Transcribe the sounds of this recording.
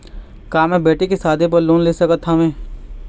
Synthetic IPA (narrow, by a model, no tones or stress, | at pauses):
kaːmɛ̃beːʈekesaːd̪ʱẽp̬ɐɾloːnleːsɐkət̪ʰːamẽː